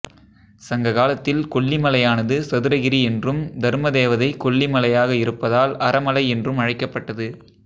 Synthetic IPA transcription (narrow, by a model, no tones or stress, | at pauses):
sɐŋɡɐɣaːlɐt̪ːɪlkɔɭːimɐlɐjaːnɐðɯsɐðɯɾɐɣɪɾiɛndrɯmd̪ɐɾmɐðeːʋɐðɐɪkɔɭːimɐlɐjaːɣɐɪɾɯpːɐðaːlɐɾɐmɐlɐɪɛndrɯmɐɻɐɪkːɐpːɐʈːɐðɯ